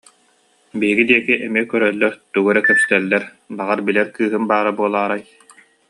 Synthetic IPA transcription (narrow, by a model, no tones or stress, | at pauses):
biːiɡid̪iɛkiʔɛmikœɾœlːœɾt̪uɡœɾɛkœpst̪ɛlːɛɾ | baʁaɾbilɛɾkɯːɦɯnbaːɾabuɔlˠaːɾaj